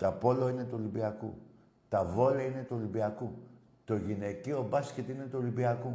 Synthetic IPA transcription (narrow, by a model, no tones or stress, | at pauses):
t̪ɐpo̞loine̞t̪uolimbiɐkṵ | t̪ɐvo̞lɐine̞t̪uolimbiɐku | t̪o̞ʝine̞cio̞bɐscet̪ine̞t̪uolibiɐku